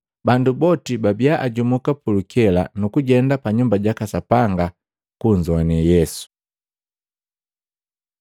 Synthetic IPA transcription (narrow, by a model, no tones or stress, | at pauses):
bandubɔtibabiaʔaɟumukapulukɛla̰nukuɟɛndapaɲumbaɟakasapaŋɡa | kuɲd͡ʒɔanɛjɛsu̥